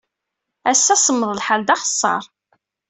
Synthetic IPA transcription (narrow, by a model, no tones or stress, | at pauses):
æsːæsəmːəðˤəlħald̪ɑχə̥sˤːɑ̰ɾˤ